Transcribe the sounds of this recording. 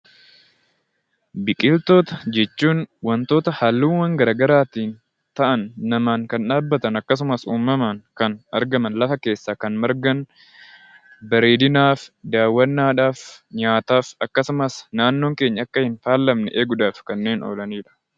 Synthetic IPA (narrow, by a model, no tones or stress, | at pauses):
bɪkʼɪlt̪o̞ːt̪ɐd͡ʒɛt͡ʃːuːnwɐnt̪o̞ːt̪ɐhaːlːuːnwɐŋɡɐɾɐɡɐɾaːt̪iːn | t̪ɐʔɐnːɐmaːŋkɐnᶑaːbːɐt̪ɐnɐkːɐs̬ʊmɐsuːmːɐmɐŋkɐnɐɾɡɐmɐnlɐfɐke̞ːsːaːkɐnmɐɾɡɐn | bɐɾe̞ːd̪ɪnaːfd̪aːwːɐnːaːᶑaːfɲaːt̪aːfɐkːɐsʊmɐsnaːnːo̞ːŋke̞ːɲːɐɐkːɐhɪnfaːlːɐmnɛʔeːɡʊd̪aːfkɐnːe̞ːno̰ːlɐniːᶑɐ̥